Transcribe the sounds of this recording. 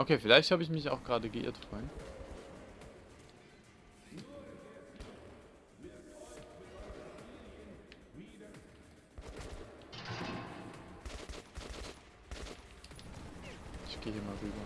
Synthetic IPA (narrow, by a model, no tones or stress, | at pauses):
ʔokʰeːfɪlaɪçthaːbəɪçmɪçaʊxɡ̥ʁaːdəɡəʔɪ̰ːɐtfʁ̥ɔʏənt | ɪçɡ̥eːhiːmaːlʁyːbɐ